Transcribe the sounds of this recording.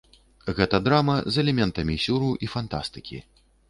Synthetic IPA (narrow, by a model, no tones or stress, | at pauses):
ɣɛt̪ɐd̪ɾamɐzɛlʲɛmʲɛnt̪ɐmʲisʲuɾuʔifant̪a̰st̪ɨ̥kʲḭ